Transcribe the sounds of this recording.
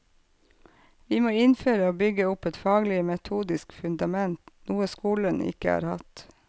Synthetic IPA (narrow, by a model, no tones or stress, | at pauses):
ʋiːmoːɪnføːɾəoːbʏɡəʊpɛt̪fɑːɡlɪəmɛt̪ʰuːd̪ɪskfʉnd̪ɑmɛnt̪nuːəskuːlənɪ̰kəɑ̰ːɾhɑ̰t̪